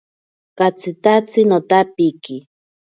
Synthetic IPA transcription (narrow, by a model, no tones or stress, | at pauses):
kat͡sʰɨt̪at͡sɨnot̪apiki